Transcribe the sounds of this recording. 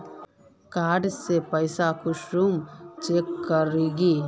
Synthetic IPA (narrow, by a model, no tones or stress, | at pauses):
kaːɖisepɐjsaːkuʂɾumt͡ʃekːɐɾiɡi